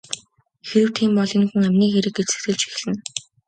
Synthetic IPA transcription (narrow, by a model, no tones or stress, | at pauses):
xeɾɘ̆wt̪ʰiːmpɔɮĭnxŭŋæmʲniːxeɾɘ̆kːet͡sɘ̆k̚t̪ɘ̆ɮt͡ɕxi̥x̆ɮɘ̆n